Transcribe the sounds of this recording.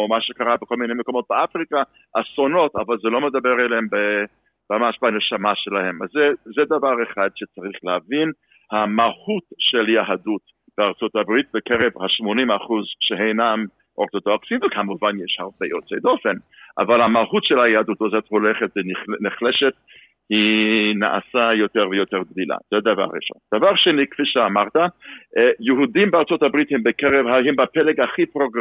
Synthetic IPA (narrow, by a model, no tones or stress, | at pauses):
omaʃekaʁabekolminejmekomot̪̚beafʁika | asonota̰valzɛlomed̪abeʁelembe | mamaʃb̥anɛʃamaʃelahemazɛzɛd̪avaʁeχad̪ʃet͡saʁiχleavin | hamahutʃeljaɦadut | b̥eaʁt͡sotabʁit̚bekɛʁevhaʃmonimaχuzʃeɦejnam | ʔoʁt̪ot̪oaksimvəkʰamuvanjɛʃhaʁbejot͡sḛd̪ofenʔa̰valhamahutʃɛlajaad̪utozɛtholɛχɛt̪zɛnniχlɛʃɛt | hina̰ʔa̰sajotɛʁvəjotɛʁɡdila̰z̥ɛd̪ava̰ʁːḭʃo̰nd̪̥avaʁʃenikfiʃɛamaʁt̪a | jəɦudimbeaʁt͡sot̪abʁithɛmbəkɛʁɛvhahɛmbapɛlɛɡaχipʁoɡ